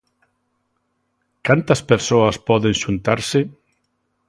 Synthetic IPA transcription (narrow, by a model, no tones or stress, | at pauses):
kant̪ɐspeɾsoɐspɔðeŋʃunt̪aɾsɪ